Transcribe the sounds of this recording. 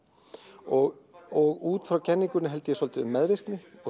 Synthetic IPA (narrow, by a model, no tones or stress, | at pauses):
ɔɣɔɣuːt̪fɾawcʰɛnːiŋkʏɾnɪɦɛlt̪ɪjɛsɔlt̪ɪʏmːɛðvɪr̥knɪɔ